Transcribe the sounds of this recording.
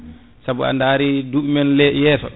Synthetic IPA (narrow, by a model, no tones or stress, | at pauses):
sabua̰ndaːɾiduɓimɛnlɛjɛːsɔ̰